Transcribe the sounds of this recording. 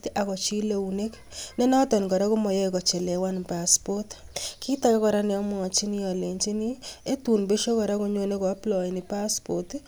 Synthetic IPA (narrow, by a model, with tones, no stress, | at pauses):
ta˨kɔ˨t͡ʃi˦le˨une˦k | ne˦na˦tɔ˨nkɔ˨ɾa˦ko˦mɔ˨jɛ˦kɔ˨t͡ʃe˨lɛ˨wa˦npaspɔ˦tki˦ta˦ka˦kɔ˨ɾa˦nɛ˨ɔ˦mwɔ˨ŋɔ˨t͡ʃi˦ni˦ɔ˨le˨nt͡ʃi˦ni˦e˦tu˨npe˦ʃo˦kɔ˨ɾa˦ko˧ɲo˦ne˦kɔ˨a˦plɔ˨ji˨ni˨pa˦spot